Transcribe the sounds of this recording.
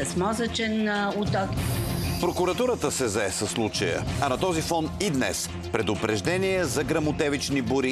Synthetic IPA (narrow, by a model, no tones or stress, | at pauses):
ɐsmɔzət͡ʃɛnʊt̪ɔkpɾokʊɾɐt̪uɾət̪əsɛzɐɛsəslˠut͡ʃəjə̰ɐnɐt̪ɔzifɔnid̪nɛ̰s | pɾɛd̪ʊpɾɛʒd̪ɛniɛzɐɡɾɐmʊt̪ɛvit͡ʃnibʊɾi